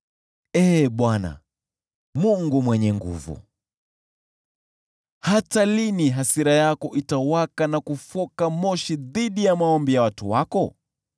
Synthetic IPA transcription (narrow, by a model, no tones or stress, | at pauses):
ɛːɓwana̰ | muŋɡumwɛɲɛŋɡṵvṵ | hataliniɦasiɾajakɔʔitawakanakufɔkamɔʃiðiɗijamaɔmbijawatṵwakɔ